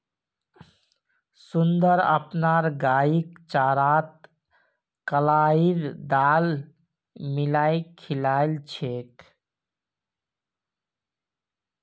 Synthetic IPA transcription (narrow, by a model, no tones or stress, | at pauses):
sund̪əɾə̰pnaɾɡaikt͡ʃaɾat̪̚ | kəlaiɾd̪al | milaikʰilaɪlt͡ʃʰek